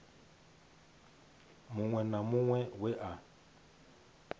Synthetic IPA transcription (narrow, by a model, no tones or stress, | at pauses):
mʊŋwɛnamʊŋwɛwɛʔa